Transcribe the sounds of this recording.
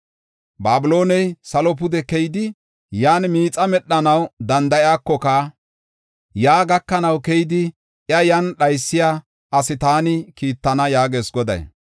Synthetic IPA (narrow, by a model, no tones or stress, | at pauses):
baːbʊlo̞ːnɛjsɐlɔp̬ʊd̪ɛkɛjɪd̪ɪ | jaːnmiːt͡sʼɐmɛɗːɐnɐwd̪ɐnd̪ɐjɪaːkːɔka | jaːɡɐkːɐnɐwkɛjd̪ɪ | ʔjɐjɐnɗɐjsːɪjaː | ʔɐsɪt̪aːnɪkiːt̪ːɐnɐjaːɡeːsɡɔd̪ɐ̰j